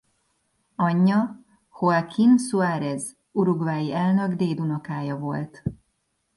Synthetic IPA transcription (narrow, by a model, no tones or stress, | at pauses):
ɒɲːɒ | hoakʰinsuaːɾɛz | uɾuɡvaːjiɛlnø̞ɡd̪eːd̪unɒkaːjɒvo̞lt̪